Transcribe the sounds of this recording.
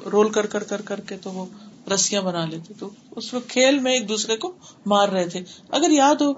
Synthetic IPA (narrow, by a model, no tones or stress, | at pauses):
ɾoːlkɐɾkɐɾkɐɾkɐɾket̪oʋoɾɐsijãbɐnaːleːt̪et̪oʊsmẽkʰeːlmẽeːk̚d̪uːsɾekomaːɾːɐɦet̪ʰeɐɡəɾjaːd̪ɦoː